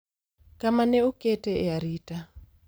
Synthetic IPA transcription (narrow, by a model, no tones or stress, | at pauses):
kʼamanɛukʼɛtʼɛɛaɾiːtʼa